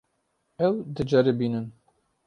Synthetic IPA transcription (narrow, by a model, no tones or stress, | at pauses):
ɛwd̪ɨd͡ʒɛɾebiːnɨn